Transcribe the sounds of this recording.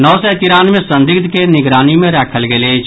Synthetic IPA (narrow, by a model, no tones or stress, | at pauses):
nɔːsɛt̪ɪɾaːnmẽsə̃nd̪ɪɡ̚t̪kenɪɡɾaːnimẽɾɛːkʰəlɡeleː